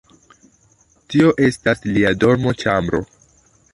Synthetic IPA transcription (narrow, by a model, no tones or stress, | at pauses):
tio̞ʔe̞stasliado̞ɾmo̞t͡ʃambɾo̞̰